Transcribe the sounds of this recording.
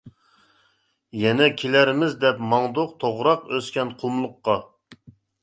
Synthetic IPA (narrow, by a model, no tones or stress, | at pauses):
jɛnɛkʲʰelæɾmɪzd̪ɛpmɑŋd̪oqt̪ʰoʁɾɑqøskʲɛnqʰumlˠʊqːɑ